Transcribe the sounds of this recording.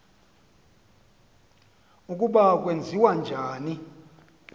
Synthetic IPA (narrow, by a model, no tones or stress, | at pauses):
ukʼuɓak̬ʼwend͡zʱiwand͡ʒʱaːni